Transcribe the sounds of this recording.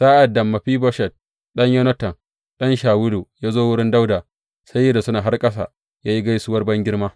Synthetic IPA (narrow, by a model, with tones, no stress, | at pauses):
saː˦ʔa˨dːɐ˨mːa˨ɸiː˦bɔ˦ʃɛ˨t̚ | ɗɐ˦ɲjo˦nɐ˦tɐ˨n | ɗɐ˦nʃaː˨wʊ˦du˨jaː˦zoː˦wʊ˦ɽɪ˦nda˦wdaː˨ | sa˦jːɐ˦da˨sʊ˦naː˨ɦa˦rkʼɐ˦s̬a̰˨ | jaː˦ji˦ɡa˦jsʊ˦wɐ˦rbɐ˦ŋɡʲɪ˦rmaː˦